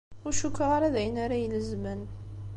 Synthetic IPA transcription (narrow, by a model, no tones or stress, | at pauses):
ʊɾʃukːəʁaɾaðæjənaɾajələzmən